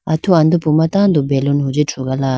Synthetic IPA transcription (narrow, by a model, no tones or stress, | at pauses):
at̪ʰuand̪upumat̪and̪ubelonɦud͡ʑeʈ͡ʂʰuɡala